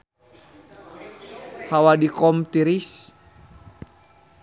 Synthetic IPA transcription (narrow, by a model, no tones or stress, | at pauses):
hawadikɔmt̪iɾis